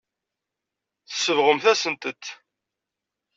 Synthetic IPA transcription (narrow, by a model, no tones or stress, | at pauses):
θə̥sːəvʁəmθæsənt̪ət̪